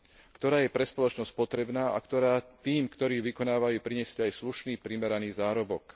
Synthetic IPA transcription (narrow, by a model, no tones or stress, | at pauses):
kt̪ɔɾaːjɛpɾɛspɔlɔt͡ʃnɔsc̚pɔt̪ɾɛbnaːʔa̰kt̪ɔɾaːt̪iːmkt̪ɔɾiːʋikɔnaːʋajuːpɾiɲɛscajsluʃniːpɾimɛɾaniːzaːɾɔbɔk